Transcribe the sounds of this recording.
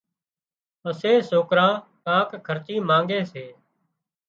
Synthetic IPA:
əseːsoːkɾãːkãːkkʰəɾt͡ʃiːmãːŋɡeːseː

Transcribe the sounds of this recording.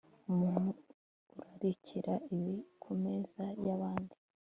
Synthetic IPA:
umuːnhuː | ɾaɾicʰiɾaiβikʰumezajaβaːndi

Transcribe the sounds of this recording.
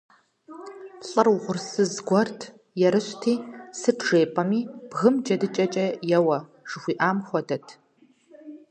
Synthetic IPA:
ɬʼɨrwʊʁʷʊrsɨzɡʷɔrtʰ | jɛɾɨɕʷtʰiːsɨʈ͡ʂʰʐeːpʼɐmiːb̥ɣɨmd͡ʒɐdɨt͡ʃʼɐt͡ʃʼɐjɛwɐ | ʐ̥ɨxʷiːʔaːmxʷɔdɐtʰ

